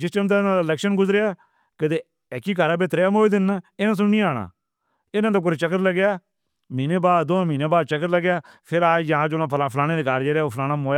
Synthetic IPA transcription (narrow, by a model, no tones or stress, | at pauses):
d͡ʒɪst͡ʃəmt̪aːnãːalɛːkʃənɡʊzɾeaː | kət̪eː | ɛːkiːkaɾaːbet̪ɾeːamoːiːd̪ɪnːɪnãːs̬ʊnĩːaːɽa̰ː | ɪnãːt̪õːk̬ʊɾt͡ʃəkːəɾləɡjaː | miːneːbaːd̪d̪oːmiːneːbaːd̪̚t͡ʃəkːəɾləɡjaː | pʰɪɾaːd͡ʒjəɦãːd͡ʒoːnãːpʰapʰlaːneːd̪eːkaːɾd͡ʒeːɾaːoːpʰlaːnaːmoːjaː